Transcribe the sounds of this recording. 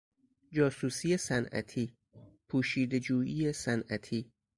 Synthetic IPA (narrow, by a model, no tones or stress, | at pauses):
d͡ʒɒːsuːsijesænæ̰t̪ʰiː | pʰuːʃiːd̪ed͡ʒuːjijesænʔæt̪ʰiː